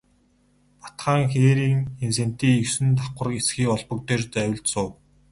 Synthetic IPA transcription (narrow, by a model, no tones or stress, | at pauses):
pḁt̪χaːŋxeːɾiːŋensen̥t̪iːiwsɘ̆nt̪aqə̆r̆esxiːkɔɮpɞ̆k̚t̪eːrt͡sæwʲɪ̆ɮt̪sʊːw